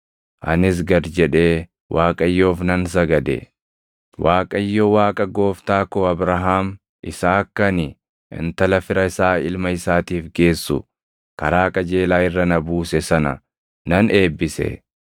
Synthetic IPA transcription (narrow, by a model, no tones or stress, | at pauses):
ʔɐnɪs̬ɡɐɾd͡ʒɛᶑe̞ː | wʔaːkʼɐjːo̞ːfnɐns̬ɐɡɐd̪ɛ̰ | waːkʼɐjːowaːkʼɐɡo̞ːft̪aːkoːɐbɾɐɦaːm | ʔɪsaːkːɐnɪ | ʔɪ̰nt̪ɐlɐfɪɾɐɪsaːɪ̰lmɐɪsaːt̪iːfɡe̞ːsːʊ̰ | kɐɾaːkʼɐd͡ʒeːlaːɪrːɐnɐbuːsɛsɐnɐ̰ | nɐne̞ːbːɪsɛ̰